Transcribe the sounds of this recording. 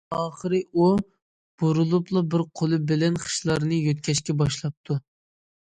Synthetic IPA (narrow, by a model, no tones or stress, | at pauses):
ɑːχəɾɨʔu | b̥uɾulˠuplˠɑbɪɾqʰolˠɨbɪlɛnχə̥ʃlˠɑɾnɨjøt̪̚kʲʰɛʃkʲɛbɑʃlˠɑp̚t̪ʰu